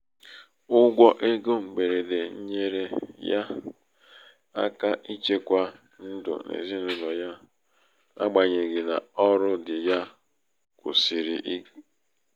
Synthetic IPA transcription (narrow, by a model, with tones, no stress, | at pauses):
ʊ˦ɡʷɔ˦ʔe˦ɡo˦ŋ͡m̩˨ɡ͡be˨ɾe˨de˨ɲ̩˦ɲe˦ɾe˦ja˦ | a̰˦ka˦ʔi˦t͡ʃe˦kʷa˦ | n̩˦dʊ̰˨nḛ˨zi˦nu˦nɔ˨ja˦ | a̰˦ɡ͡ba˨ɲe˨ɡɪ˨na˨ɔ˦ɾʊ˦dɪ˨ja˦ | kʊ˨si˨ɾi˨ʔi˦ɡ